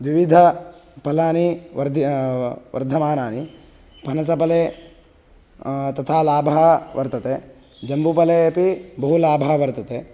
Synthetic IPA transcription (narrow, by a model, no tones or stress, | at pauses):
ʋiʋid̪ʱɐpɐlaːniʋɐɾd̪ʱ | ʋɐ̰ɾd̪ʱɐmaːnaːni | pɐnɐs̬ɐpɐleː | t̪ɐt̪ʰaːlaːbʱɐɦɐʋɐɾt̪ɐt̪eː | d͡ʒɐmbupɐleːɐpibɐɦulaːbʱɐɦɐʋɐɾt̪ɐt̪eː